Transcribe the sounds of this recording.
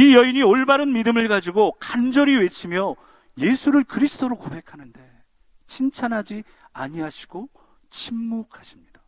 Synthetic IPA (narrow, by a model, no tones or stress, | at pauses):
ijʌiɲioɭbaɾɯnmidɯmɯɭɡad͡ʑiɡokand͡ʑʌɾiwe̞t͡ɕʰimjʌ | je̞sʰuɾɯɭkɯɾisʰɯ̥d͈ʰoɾokobe̞kʰanɯnde̞ | t͡ɕʰint͡ɕʰanɦad͡ʑi | a̰ɲiɦaɕʰi̥ɡ̥o | t͡ɕʰimːokʰaɕʰimɲid̥a